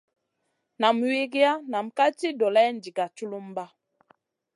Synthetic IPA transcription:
na˨mwi˦ɡi˦a˦na˨m˨ka˦ti˦dɔ˨lɛ˦n̩˨di˨ɡa˨t͡ʃu˦lu˦m˦ba˦

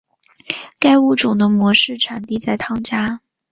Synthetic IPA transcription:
ka˥ɪu˥˩ʈ͡ʂʊ˨˩ŋd̪ə˦mwɔ˧˥ʂɻ̩˥˩ʈ͡ʂʰa˨˩nt̪i˥˧t͡sa˥˩ɪt̪ʰɑ˥ŋt͡ɕja˥

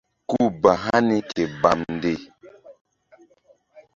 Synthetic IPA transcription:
ku˦˨ba˨ɦa˦ni˦kʰe˨ba˨mn˨de˦˨

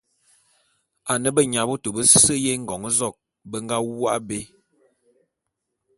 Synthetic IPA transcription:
a˨nə˦bə˦ɲa˨bu˦to˨bə˦sə˦je˦ŋ̩˦ɡɔ˨ŋə˦zɔ˦˨k̚ | bə˦ŋ˦ɡa˦wa̰˦ʔbe˦

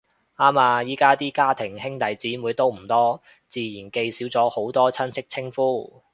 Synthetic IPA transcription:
aː˥maː˧jiː˨˥kaː˥t̪iː˥kaː˥t̪ʰɪ˨˩ŋhɪ˥ŋt̪ɐ˨˩jt͡siː˨˥muː˨˧jt̪o˥wm̩˨˩t̪ɔː˥ | t͡siː˧jiː˨˩nke˧jsiː˨˥wt͡sɔː˨˥ho˨˥wt̪ɔː˥t͡sʰɐ˥nsʰɪ˥k̚t͡sʰɪ˥ŋfuː˥˩

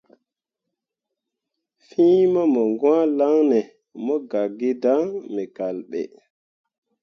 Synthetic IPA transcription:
fĩː˦ma˦mɔ˨ŋɡwãː˦la˦ŋnɛ˨ | mɔ˦ɡa˨ɡːi˦da˦ŋmɛ˨ka˨lɓɛ̰˨

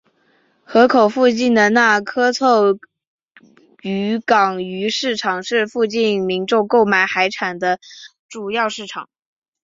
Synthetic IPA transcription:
xɤ˧˥kʰo˨˩ʊfu˥˧t͡ɕi˥˩nd̪ə˩na˥˩kʰɤ˥t͡sʰɤ˥˩ | y˧˥kɑ˨˩ŋy˧˥ʂɻ̩˥˩ʈ͡ʂʰɑ˨˩ŋʂɻ̩˥˧fu˥˧t͡ɕi˥˩nmi˧˥nʈ͡ʂʊ˥˧ŋko˥˩ʊma˨˩ɪxa˧˥ɪʈ͡ʂʰa˨˩nd̪ə˦ | ʈ͡ʂu˨˩jɑ˥˧ʊʂɻ̩˥˩ʈ͡ʂʰɑ˨˩˦ŋ

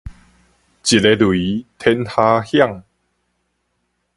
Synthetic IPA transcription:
t͡ɕi˨˩te˧lwi˨˦t̪ʰɛ˧nha˧hja˥˨ŋ

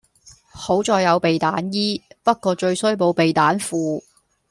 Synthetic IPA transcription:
ho˨˥wt͡sɔː˧jːɐ˨˧wpe˨jt̪aː˨˥njiː˥pɐ˥t̚kɔː˧t͡ʃɵ˧ɥsɵ˥ɥpo˨˧wpe˨jt̪aː˨˥nfuː˨

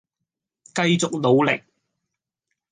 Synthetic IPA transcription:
kɐ˧jt͡sʊ˨k̚lo˨wlɪ˨k̚

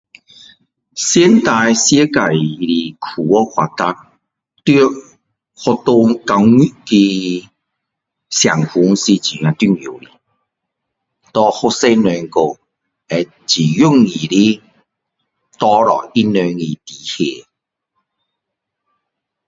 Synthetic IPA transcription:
sjɛ˦nt̪a˧jsje˦ka˨˩jli˧˨kʰu˨˩wɔ˦kwa˨˧t̪a˧k̚ | t̪i˦ | hɔ˧t̪u˧ŋka˧ki˧ | sja˨˩ŋhu˨˧˦ŋsi˧t͡ɕi˨˩˨ã˧t̪i˦˧˨ŋju˨˩˨lḭ˨ | t̪ɔ˧hɔ˦˧se˧nwɛ˨˧ŋko˨ | ɛ˨˧ | t͡ɕi˨˩ju˥˦˨ŋːi˨˩li˦ | t̪ɔ˧ɾɔ̰˨i˦nø˧ŋi˨t̪i˨˩hje˧˩

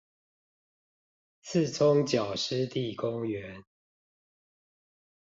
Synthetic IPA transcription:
t͡s̩ʰ˥˨t͡sʰʊ˦ŋt͡ɕjɑ˨˩ʊʂ̩˦t̪i˥˨kʊ˦ŋɥɛ˨˦n

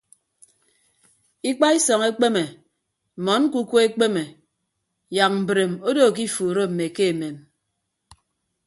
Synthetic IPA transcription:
i˦k͡pa˦i˦sɔ˨ŋe˦k͡pe˦me˨ | mɔ˨˦n̩˦ku˦kʷo˦e˦k͡pe˦me˨ | ja˨k̚m̩˨bɾe˨mo˦do˦˨k̬i˦fuː˨ɾo˦m̩˨me˨ke˦e˨me˨m

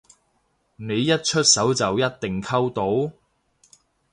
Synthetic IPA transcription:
ne˨˧jːɐ˥t̚t͡ʃʰɵ˥t̚sɐ˨˥wt͡sɐ˨wjɐ˥t̚t̪ɪ˨˩ŋkʰɐ˥wt̪o˨˥w

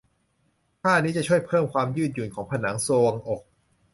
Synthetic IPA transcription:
k̪ʰaː˥˩niː˦˥t͡ɕa˨˩t͡ɕʰu˥˩əjpʰɤː˥˩mkʰwaː˧mjɯː˥˩n̚ju˨˩nkʰɔː˩˦ŋpʰa˧naː˩˦ŋsoː˧ŋʔo˨˩k̚

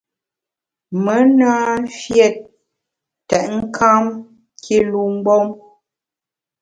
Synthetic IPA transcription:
mə˨˦naː˦fjɛ˨t̚ | tɛ˨ʔŋ̩˦kʰa˦m | kʰi˦lu˨m̩˦bɔ˦m

